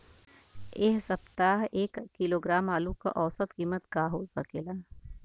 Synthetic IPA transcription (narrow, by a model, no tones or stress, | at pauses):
eːɦsɐpt̪aːɦeːkːiloːɡɾaːmaːlũka̰ʔɔːsət̪kiːmət̪ɡaːɦoːzɐkeːla